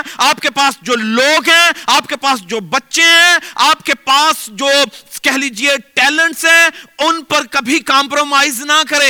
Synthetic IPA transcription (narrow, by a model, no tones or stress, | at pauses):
aːpkepaːsd͡ʒoːloːɡɦɛ̃aːp̚kepaːs̬d͡ʒoːbɐtːʃeɦɛ̃aːp̚kepaːsd͡ʒoːkɛɦliːd͡ʒieʈɛːlə̃ɳʈsɦɛ̃ʊnpɐɾkɐbʱikaːmpɾoːmaːɪznɐkɐɾẽː